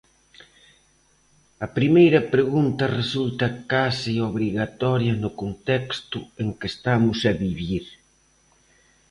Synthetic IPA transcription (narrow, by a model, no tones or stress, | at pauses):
ɐpɾimejɾɐpɾeɣunt̪ɐresult̪ɐkasioβɾiɣat̪ɔɾjɐnʊkont̪ɛkst̪ʊeŋkest̪amʊsɐβiβiɾ